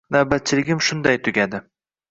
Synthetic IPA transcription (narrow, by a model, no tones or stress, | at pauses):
nabat̪̚t͡ʃʰɪlɪɡʲɪmʃʊnd̪ajt̪ʰʊɡʲad̪ɪ